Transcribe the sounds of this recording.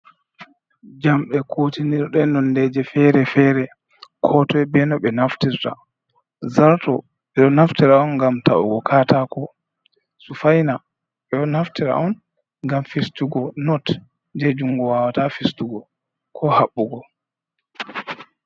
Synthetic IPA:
d͡ʒamɗɛkʰotiniɾɗɛnɔndɛd͡ʒɛfɛɾɛfɛɾɛ | kʰɔtɔɛbɛnɔɓɛnaftiɾta̰ | zaɾtɔ | ɓɛɗɔnaftiɾaɔnɡamta̰ʔṵɡɔkʰaːtakɔ | sufajna | ɓɛɔnaftiɾa̰ʔɔn | ŋɡamfistuɡɔnɔt | d͡ʒɛd͡ʒuŋɡɔwawatafistuɡɔ | kʰɔhaɓːuɡɔ

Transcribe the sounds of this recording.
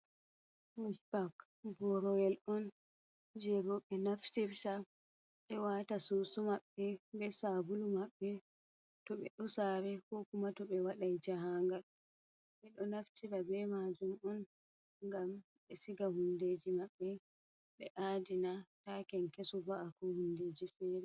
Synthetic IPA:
ubak | bɔɾɔjɛlʔɔn | d͡ʒɛbɔɓɛnaftiɾta | ɓɛwatasosumaɓːɛbɛsabulumaɓːɛ | tɔɓɛɗɔsaːɾɛkɔkumatɔɓɛwaɗajd͡ʒaɦaŋɡal | ɓɛɗɔnaftiɾabɛmad͡ʒumɔn | ŋɡam | ɓɛsiɡahunded͡ʒimaɓːɛ | ɓɛʔaːdinatakɛnkesɔbaʔakɔhundeːd͡ʒifɛɾɛ

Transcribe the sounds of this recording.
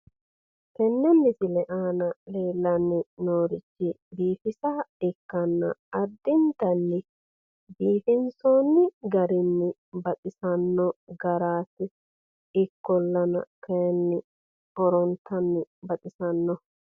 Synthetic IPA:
kɛnːɛnːɪsɪlɛʔaːnɐle̞ːlːɐnːɪnoːɾɪt͡ʃːɪ | biːfɪsaɪkːɐnːɐ̰ɐd̪ːɪnt̪ɐnːɪ | biːfɪnsoːnːɪɡɐɾɪnːɪ | bɐt̪ʼɪsɐnːɔɡɐɾaːsɪ | ɪkːɔlːɐnɐ̰kɐjɛnːɪ | ɔɾɔnt̪ːɐnːɪbɐt̪ʼɪsɐnːɔ

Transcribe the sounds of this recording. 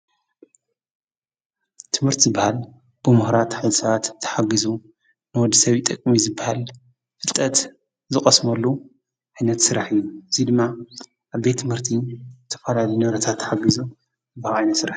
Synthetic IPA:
t̪ʰɨmhɨɾt̪ʰizɨbːahal | b̥ɨmɨhɾat̪ħɨzɨsɐβat̪ʰːɐ̥ħaɡizu | nɨwɔd̪isɐβit̪ʼɐkʼmizɨbːahal | fɨlt̪ʼɐt̪ | zɨkʼɐsmɐlːu | ʔajnɐt̪sɨɾaħɨjːuɨzid̪ɨmːa | ʔaβbet̪ʰːɨmhɨɾt̪ʰizɨt̪ʰɐ̥fɐlalijnɨɾɐt̪ʰat̪ʰːɐħaɡizu | ɨbalajnɐt̪sɨɾaħ

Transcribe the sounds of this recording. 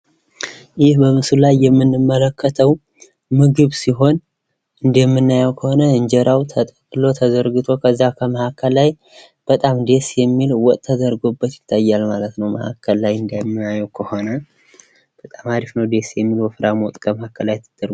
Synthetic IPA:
jɪhbəmɨsulajːɛmːɨnːɨmːələkʰːət̪ʰəw | mɨɡɨβsiɦo̞n | ɨnd̪jɛmːɨnːajɛwkʰəho̞nəɨɲd͡ʒɛɾʔawt̪ʰət̪ʼəkʼlo̞t̪ʰəzəɾɡɨt̪ʰo̞kʰəzːakʰəməhakʰːəlːaj | b̥ət̪ʼamd̪e̞sjɛmːilwɔt̪ʼt̪ʰːəzəɾɡo̞bːət̪jɪt̪ʰːajːalmalət̪nəwmə̰ha̰kʰːəlːajɨnd̪ajɛmːɨnajɛwkʰəho̞nə | b̥ət̪ʼamaɾifnəwd̪e̞sjɛmːilwɔfɨɾamɔt̪ʼkʰəməhakʰːəlːajt̪ʰːɨd̪̥ɨɾɡ

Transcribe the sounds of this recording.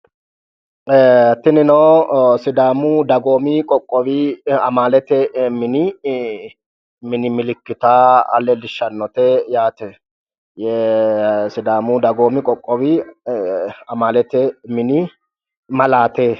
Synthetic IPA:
t̪ːɪnɪnɔwsɪd̪aːmʊd̪ɐɡoːmɪkʼɔkʼːɔbɪɐmaːlɛt̪ɛmɪnɪ | mɪnɪmɪlɪkːɪt̪aːɐ̰lɛlɪʃːɐnːɔt̪ɛjaːt̪ɛ | jɛ | sɪd̪aːmʊd̪ɐɡoːmɪkʼɔkʼːɔbɪ | ɐmaːlɛt̪ɛmɪnɪ | mɐlaːt̪eː

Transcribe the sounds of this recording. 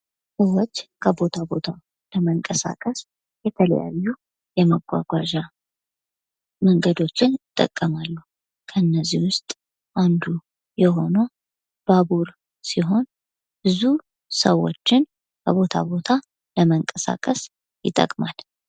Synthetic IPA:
səwot͡ʃːkʰəbo̞t̪ʰabo̞t̪ʰa | ləməŋkʼəsa̰kʼəs | jɛt̪ʰələ̰ja̰jːu | jɛməɡʷa̰ɡʷaʒa | məŋɡəd̪o̞t͡ʃːɪnjɪt̪ʼːə̰kʼːəmalːuh | kʰəɨnːəzːiwʊst̪ʼ | ʔand̪u | jɛɦo̞no | b̥abuɾ | siɦo̞n | b̥ɨzu | səwo̞̰t͡ʃːɪn | kʰəβo̞t̪ʰa̰bo̞t̪ʰa | ləməŋkʼəsa̰kʼəs | jɪt̪ʼːə̰kʼmal

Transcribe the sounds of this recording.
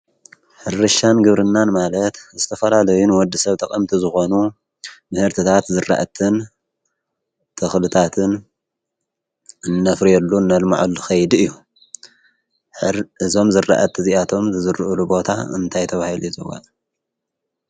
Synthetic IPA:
ħɨrːɨʃanɡɨβɾɨnːanmalɐt̪zɨt̪ʰɐfɐlalɐjunwɔd̪ːɨsɐβt̪ʰɐkʼɐmt̪ʰizɨxo̞nu | mɨhɨɾt̪ʰɨt̪ʰat̪zɨrːa̰ʔɐt̪ʰɨn | t̪ʰɐxlɨt̪ʰat̪ʰɨn | ɨnːɐfɾijɛlːunːɐlma̰ʕulːuxɐjd̪ɨjːu | ɨzo̞mzɨrːa̰ʔɐt̪ʰɨziʔat̪ʰo̞mzɨzɨɾʔɨlubo̞t̪ʰa̰ɨ̰nt̪ʰajt̪ʰɐβahilujzɐwa̰ʔ

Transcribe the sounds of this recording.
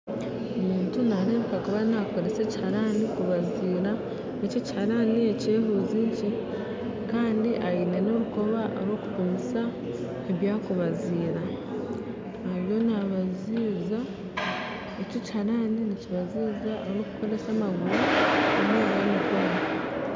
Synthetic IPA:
omiːntunaɾe̞ːmpakuβanako̞ɾe̞se̞ci̥haɾanikuβaziːɾa | ecocihaɾanie̞ce̞ːɦuziɲci | kaːndiʔajine̞no̞ɾuko̞βaʔo̰ɾwo̞ːku̥puɲisa | eβjaːkuβaziːɾa | aβjo̞naβaziːza | ecoci̥haɾaːniniciβaziːzaʔoɾoːku̥ko̞ɾe̞samaɡuɾuemeβamikoɾa

